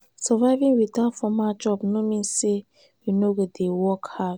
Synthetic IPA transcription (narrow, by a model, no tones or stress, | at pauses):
sɔvaɪvĩŋwiθatfɔmad͡ʒɔbnomĩnse | jinoɡedewɔkha